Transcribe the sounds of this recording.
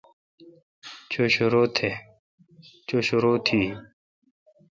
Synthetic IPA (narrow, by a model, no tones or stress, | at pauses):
t͡ɕʰoɕuɾoːt̪ʰe | t͡ɕoɕoɾoːt̪ʰiː